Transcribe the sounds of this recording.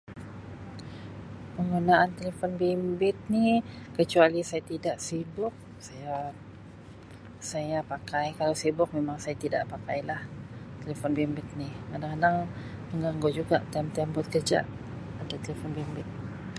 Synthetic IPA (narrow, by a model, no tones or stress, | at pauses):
pəŋɡunaant̪elefɔnbimbɪt̪̚nikət͡ʃualisajat̪idaʔsibʊk̚ | saja | sajapakajkalawsibʊk̚memaŋsajat̪ida̰ʔpakajlaht̪elefɔnbimbɪt̪̚nikadaŋkadaŋməŋɡaŋɡod͡ʒuɡa̰ʔt̪ɛmt̪ɛmbʊt̪̚kərd͡ʒa̰ʔ | adat̪elefɔnbimbɪt̪̚